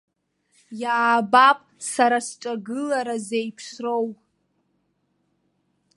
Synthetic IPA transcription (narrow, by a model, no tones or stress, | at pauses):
jaːbapʼsaɾasʈ͡ʂʷʼaɡɨlaɾazejpʰsrowʼ